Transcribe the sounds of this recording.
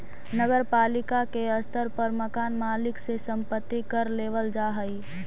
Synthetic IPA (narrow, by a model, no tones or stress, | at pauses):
nəɡəɾpaːlɪkakeəst̪əɾpəɾməkaːnmaːlɪksesə̃mpət̪ːikəɾleːʋəld͡ʒaɦəi